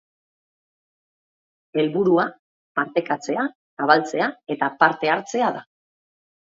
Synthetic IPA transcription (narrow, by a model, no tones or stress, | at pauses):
e̞lβuɾua | paɾt̪e̞kat͡se̞a | saβ̞alt͡se̞ae̞t̪apaɾt̪e̞aɾt͡se̞aða